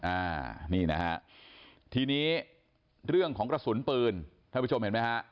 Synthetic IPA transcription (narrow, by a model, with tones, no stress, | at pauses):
ʔaː˨˧˩niː˥˩na̰˦˥kʰa̰˦˥ʔt̪ʰiː˧niː˦˥ | ɾɯ˥˩əŋkʰɔː˩˦ŋkɾa˧su˨˩˦npɯː˧nt̪ʰa˥˩pːt͡ɕo˧mhe˩˦nma˦˥jkʰa˦˥ʔ